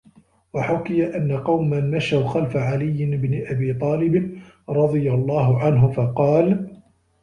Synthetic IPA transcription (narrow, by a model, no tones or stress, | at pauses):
waħʊkɪjaʔanːaqɑwmːanmaʃahʊxalfaʕalɪjːɪnɪbnɪʔabiːt̪ˤɑːlɪb | ɾˤɑd̪ˤɨjalˤːɑːɦʊʕanɦʊfɑqɑːl